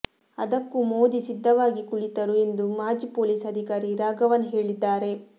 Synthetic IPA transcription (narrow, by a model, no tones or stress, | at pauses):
ɐ̰d̪ɐkːumoːd̪isid̪ʱːɐʋaːɡikuɭit̪ɐɾue̞nd̪umaːd͡ʒipoːliːsɐd̪ʱikaːɾiɾaːɡɐʋɐnɦe̞ːɭid̪ːaːɾe̞